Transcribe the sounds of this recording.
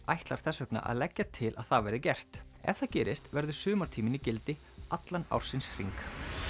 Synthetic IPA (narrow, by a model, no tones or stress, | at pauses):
ajht̪laɾ̥θɛsœkna̰ʔa̰ðlɛcːat̪ʰɪlʔa̰ðθavɛːɾɪcɛr̥t̪ | ɛ̰fθaðcɛːɾɪst̪vɛɾðʏ̥sʏːmaɾ̥t̪ʰiːmɪnicɪlt̪ɪ | at̪lana̰wɾ̥sɪnsr̥ḭŋk